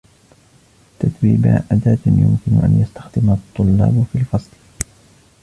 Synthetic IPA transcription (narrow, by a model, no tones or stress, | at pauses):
t̪at̪wiːba̰ʔad̪aːt̪jʊmkɪnʊʔa̰njast̪ḁxd̪ɪmat̪ˤːʊlːɑ̰ːbfilfɑsˤl